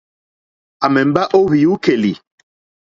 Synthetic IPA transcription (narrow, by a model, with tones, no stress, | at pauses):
a˨mɛ˨m̩˦ba˦ʔo˦βi˨u˦ke˨li˨